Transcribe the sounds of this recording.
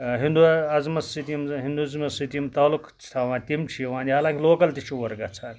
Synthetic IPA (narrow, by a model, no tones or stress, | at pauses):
ɦĩnd̪uɐzmɐsit̪ijmɦĩnd̪uzmɐsit̪ijmt̪aːlukt͡ʃt̪ʰaːʋãːnt̪imt͡ʃʰijʋãːnd̪ʲiɦaːlãːŋkʲiloːkɐlt̪it͡ʃʰuʋɐɾɡat͡sʰaːnʲ